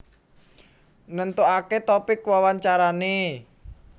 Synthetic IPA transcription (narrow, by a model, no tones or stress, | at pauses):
nənt̪uaket̪ɔpikwawaɲt͡ʃaɾane